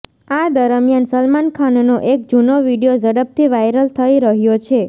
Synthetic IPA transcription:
ad̪əɾəmjansəlmankʰannoʔek̚d͡ʒunoʋiɽijod͡ʒəɽəp̚t̪ʰiʋajɾəlt̪ʰəiɾəɦjot͡ʃʰe

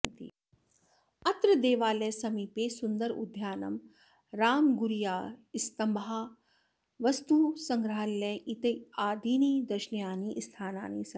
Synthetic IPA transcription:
t̪ḭ | ɐt̪ɾɐd̪eːʋaːlɐjsɐmiːpeːsund̪ɐɾṵd̪ʱjaːnɐ̰m | ɾaːmɡuɾijaːist̪ɐmbɐɦaː | ʋɐst̪uːsɐŋɡɾɐɦɐlːeʔit̪ɐaːd̪iːniːd̪ɐʃnjaːniʔst̪ʰaːna̰ːniːsɐ

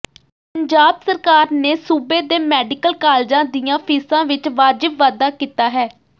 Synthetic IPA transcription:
pəɲd͡ʒaːbsəɾkaːɾneːsuːbeːd̪eːmɛːɖɪkəlkaːld͡ʒãːd̪ijãːpʰiːsãːʋɪt͡ʃʋaːd͡ʒɪbʋaːd̪aːkiːt̪aːɦɛː

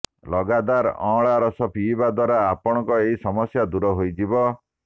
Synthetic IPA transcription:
lɔɡad̪aɾɔ̰̃ɭaɾɔsɔpiːbad̪waɾaːpɔɽ̃ɔ̃ŋkɔeɦisɔmɔsjad̪uɾɔɦojd͡ʒibɔ

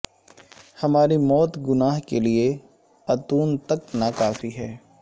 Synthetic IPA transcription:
hɐmaːɾimɔːt̪ɡʊnaːɦkelie | ɐt̪uːnt̪ɐknɐkaːfiɦɛː

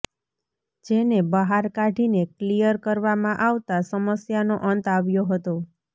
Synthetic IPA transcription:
d͡ʒenebəɦaɾkaʈineklijəɾkəɾʋamãʔaʋt̪asəməsjanoʔənt̪aʋjoɦət̪o

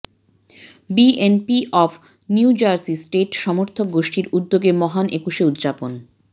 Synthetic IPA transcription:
bienpiʔɔfʰ | niuud͡ʑaɾsisʈeʈʃɔmoɾt̪ʰok̚ɡoʃʈiɾud̪ːoɡemɔɦanekuʃeud̪ːd͡ʑapon

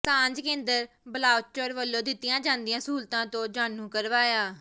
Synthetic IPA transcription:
sãːɲd͡ʒkẽːnd̪əɾ | bəlaːʋt͡ʃoːɾʋəlːõːd̪ɪt̪ːɪjãːd͡ʒãːnd̪ɪjãːsuːlt̪ãːt̪õːd͡ʒaːnːũːkəɾʋaːjaː

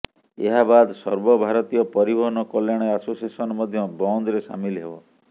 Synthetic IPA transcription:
eɦabad̪sɔɾbɔbʱaɾɔt̪ijɔpɔɾibʱɔɦɔnɔkɔljaɽ̃easosiesɔnɔmɔd̪ʱjɔbɔnd̪ɾesa̰milɦebɔ

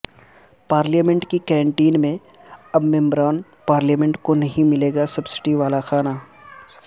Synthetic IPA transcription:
paːɾljəmɛ̃ɳʈkikɛ̃ːɳʈiːnmẽ | ɐbmɛ̃mbɾaːn | paːɾljəːmɛ̃ɳʈkonɐɦĩmɪleːɡasɐbsɪ̥ʈiʋaːlaxaːnaː

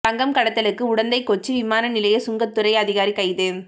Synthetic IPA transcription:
tɐŋɡɐmkɐɽɐt̪ːɐlɯkːɯʊɽɐnd̪ɐɪkɔt͡ʃːɯʋɪmaːnɐnɪlɐjɐsʊŋɡɐt̪ːɯɾɐɪɐðɪɣaːɾikɐɪðeːn

